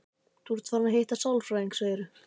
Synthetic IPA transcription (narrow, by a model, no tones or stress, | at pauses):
t̪ʰuɾt̪ʰvaɾmaɦejht̪asawlfɾajiŋksvaːɛɾʏ